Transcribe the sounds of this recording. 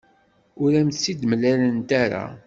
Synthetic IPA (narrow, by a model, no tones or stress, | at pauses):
ʊɾæmt̪sid̪mlælənt̪aɾa̰